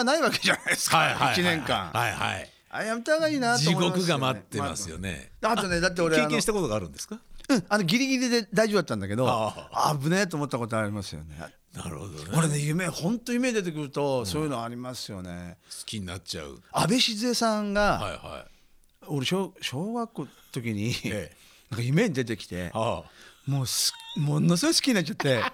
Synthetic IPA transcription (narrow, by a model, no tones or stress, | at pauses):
naiβakeʑanaiesɨ̥kaiait͡ɕinẽ̞ŋkã̰ŋhaiha̰i | a̰jamet̪aɡaiːnat̪d͡ʑoimɡomkɯɡamat̪ːema̰sɨjo̰nḛd̪eat̪o̞ne̞d̪at̪̬ːe̞o̞ɾeeːankẽɕit̪akot̪oɡaːɾɯ̟̃nd̪esɨ̥kaɯ̃anoɡʲiɾʲiɡʲiɾʲid̪e̞d̪aiʑoɯd̪at̪ːãnd̪ake̞d̪o̞a̰bɯ̟net̪oːmo̞t̪ːako̞t̪̬oaɾʲimasɨjo̰ne̞̰ | naɾ̰hod̪oo̞ɾe̞nejɯ̟me̞hõ̞nt̪ojɯ̟me̞ɲʲid̪e̞t̪̬e̞k̬ɯ̟ɾɯ̟t̪o̞soːjɯ̟noaɾʲimasɨjo̞ne̞sɨ̥kʲiɲinat͡ɕa̰ɯ̰abe̞ɕizɨesãŋɡaaha̰i | o̞ɾeɕoːɕo̞ːɡakːot̪o̞kʲiɲ̟i | nãŋkajɯ̟me̞ɲ̟id̪e̞t̪e̞kʲi̥t̪e̞̰ | moːsɨ̥mo̞nos̬ɨɡosɨ̥kʲiɲinat͡ɕːt͡ɕat̪ːe̞